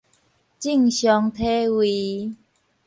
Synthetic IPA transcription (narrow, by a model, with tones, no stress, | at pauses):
t͡ɕi˥˨ŋɕjɔ˧˦ŋt̪ʰe˦wi˨˧˦